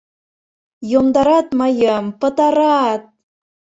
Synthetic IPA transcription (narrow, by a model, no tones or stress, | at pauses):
jomd̪ɑɾɑt̪mɑjəmpə̆t̪ɑɾɑt̪̚